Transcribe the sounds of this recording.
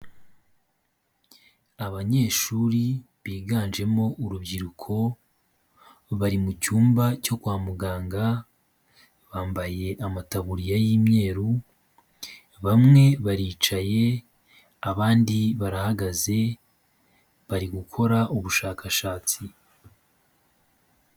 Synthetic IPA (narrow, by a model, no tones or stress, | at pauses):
aβaɲe̞ːʃuɾi | βiːɡaːnd͡ʒe̞mo̞ʔuɾubɟiɾukʰo̞ | βaɾimucuːmbaco̞kwaːmuɡaːŋɡa | βaːmbaje̞ʔamataβuɾijajiːmɲe̞ːɾu | βamŋe̞βaɾiːt͡ʃaje̞ | aβaːndiβaɾahaɡaze̞ | βaɾiɡukʰo̞ɾaʔuβuʃaːkʰaʃaːt͡si